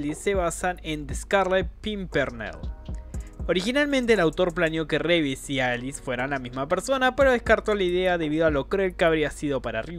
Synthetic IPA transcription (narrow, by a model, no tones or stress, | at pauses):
lisːe̞β̞asanend̪eskaɾlepimpeɾnḛl | oɾixinalmẽnt̪eːlawt̪o̞ɾplanjo̞ke̞reβesiaelisfwe̞ɾanlamizmapeɾso̞nape̞ɾo̞ð̞ehskaɾt̪o̞laiðe̞aðe̞β̞iðoalo̞kɾeelkeaβɾiasiðo̞paɾari